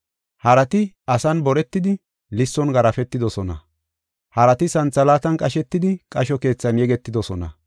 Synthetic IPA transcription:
hɐɾɐt̪ɪ | ɐsɐnbɔɾɛt̪ːɪd̪ɪ | lɪsːɔnɡɐɾɐfɛt̪ːɪd̪ɔsɔnɐ̰ | hɐɾɐt̪ɪsɐnt͡sːɐlaːt̪ɐnkʼɐʃɛt̪ːɪd̪ɪkʼɐʃɔke̞ːt͡sːɐnjɛɡɛt̪ːɪd̪ɔsɔnɐ̰

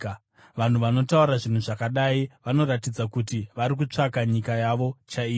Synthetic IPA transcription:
ʋan̤uʋano̞tauɾaʐin̤uʐakaɗaiʋano̞ɾatid͡zakutiʋaɾik̬ut͡ʂakaɲikajaʋo̞t͡ʃaiː

